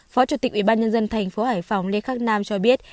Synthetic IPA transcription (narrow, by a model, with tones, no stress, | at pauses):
fɔ˨˦t͡ɕu˧˩t̪ï˨˩k̚ʔwi˧˩ɓaː˧nɲə˧nzə˧nt̪ʰa˨˩jŋ̟fo˨˦haː˧˩jfa˨˧˩wŋ͡mle˧xaː˦˥k̚naː˧mt͡ɕɔ˧ɓi˦˥ət̚